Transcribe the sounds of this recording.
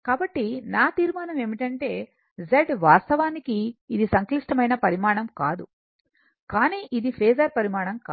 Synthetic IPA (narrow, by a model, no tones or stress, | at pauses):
kaːbɐʈːinaːt̪iːɾmaːnɐme̞ːmiʈɐɳʈe̞ː | zeɖʋaːst̪ɐʋaːnikiːd̪isɐŋkliʂʈɐmɐjnɐpɐɾimaːɳɐmkaːd̪u | kaːniːʔid̪ipʰeːzɐɾpɐɾimaːɳɐmkaː